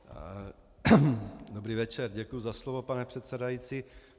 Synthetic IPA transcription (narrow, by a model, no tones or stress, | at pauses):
d̪obɾiːvɛt͡ʃɛɾɟɛkujuzaslovopanɛpr̥ɛt̪sɛdajit͡si